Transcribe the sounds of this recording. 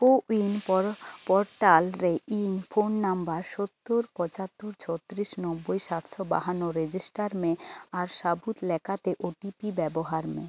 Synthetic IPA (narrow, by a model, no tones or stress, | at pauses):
koinppɔɾʈalɾeinfʰonːambaɾʃot̪ːoɾpɔt͡ɕat̪ːoɾt͡ɕʰɔt̪ːɾiʃnɔbːojʃat̪ʃɔba̰ɦanːoɾed͡ʑisʈaɾmẽaɾʃabut̪lɛkʰat̪eʔoʈipibɛboɦaɾmḛ